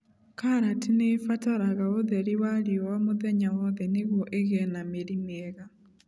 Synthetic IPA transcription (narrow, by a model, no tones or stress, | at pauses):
kaɾatinefataɾaɣaoðɛɾiwaɾiɔwamoðɛɲawɔðɛneɣwɔʔeɣɛnameɾimeɛɣa